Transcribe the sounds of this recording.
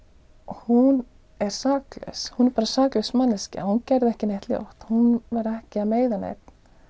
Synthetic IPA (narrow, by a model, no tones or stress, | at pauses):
hun | ɛɾ̥saːklɛ̰shunɛɾpaːɾasaːklʏsmanlɛscɪ̰ahuncɛɾðɛhcɪnejht̪lɪo̰wht̪hunvaɾɛhcɪaðmeːjðanḛːjt̪n̥